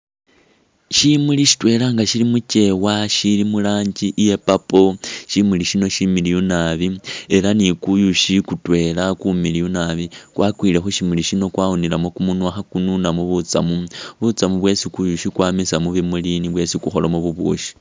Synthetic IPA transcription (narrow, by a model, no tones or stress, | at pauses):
ʃimuliʃi̥twe̞laŋɡaʃilimuce̞waʃilimulaːɲd͡ʒiʔje̞papo̞ʃimuliʃino̞ʃimilijunaβie̞lanikujuʃikutwe̞lakumilijunaβikwakwiːle̞xuʃimuliʃino̞kwawunilamokumunwaxakununamuβut͡samuβut͡samuβwe̞sikujuʃikwaːmisamuβemuliniβwe̞sikuxo̞lamuβuβṵːʃi̥